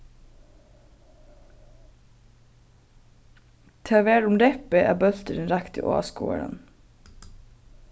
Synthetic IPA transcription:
t̪ʰæːʋeːɽʊmɾɛpəʔæ̰ːbœlt̪əɾɛnɾækt̪ə̰ʔo̰ɑ̰ːskṵːə̰ɽə̰n

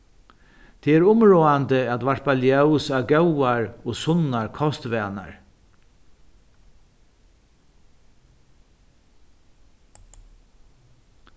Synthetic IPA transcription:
t̪ʰɛɛɾʊmɹoːant̪əæt̪ʋaɹpaljœwsawɡœwaɹɔsʊnaɹkʰɔst̪ʋɛːna̰ɹ

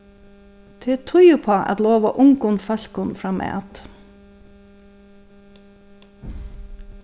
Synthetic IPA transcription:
t̪ʰɪt̪ʰʊjʊpʰoːʔa̰t̪loːʋəʔʊŋɡʊnfœɬkʊnfɾɑːmʔḛːɑ̰t̪

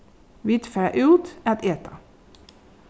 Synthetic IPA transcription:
ʋɪt̪fæːʔʉːt̪æt̪eːt̪ʰɑ

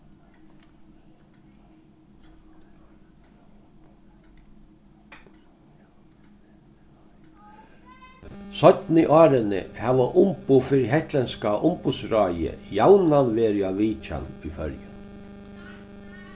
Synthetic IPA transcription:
sœt̪nɪʔɑːɾənə̰haːʋaʔʊmpufɪɾɦɛht̪lɛnskaʔʊmpʊsɾɑjə̰jawnanʋeːɾjaʋiːt͡ʃa̰nifœ̰ɾjə̰

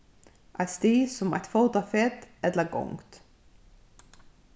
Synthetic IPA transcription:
ʔaɪt̪st̪iːsʊmæ̰ɪt̪foːt̪ɑfet̪ɛt̪ləɾɡɔ̰ŋt̪

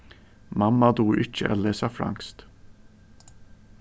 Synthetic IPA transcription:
mamːad̪uːɾʔɪt͡ʃːə̰ʔɛ̰lːesafɾa̰ŋst̪

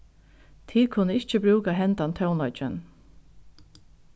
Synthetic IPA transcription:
t̪ʰiːkʰʊnːəɪt͡ʃəbɾuːkaɦɛnt̪ant̪ʰœwnɔt͡ʃɪ̰n

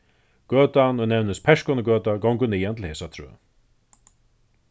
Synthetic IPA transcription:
ɡ̥œːt̪anɔnɛwnɪspʰɛʂkɔnəɡœːt̪aɡɔwŋkʊnijɛnt̪ʰɪl̩heːsat̪ʰɾœ̰ː

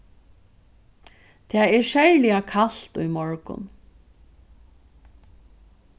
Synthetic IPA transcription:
t̪ʰɛːɛɹʃɛɹlɪakʰal̥t̪ʊjmɔɹkʊ̰n

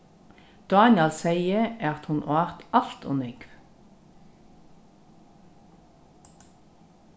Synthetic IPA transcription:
d̪̥ɑːnɪɑlsæɪəæːɑt̪hʊnʔo̰ːʋæːʁt̪ɑlt̪ʰʊ̰nʏɡʋ

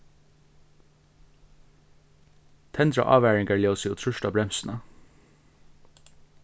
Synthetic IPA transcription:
t̪ʰɛnd̪ɾɑ̰ʔɑ̰ːʋæːɹɪŋɡəɭeːsjuːt̪ʰɾʉʃʈɑːbɾɛmsn̩ə

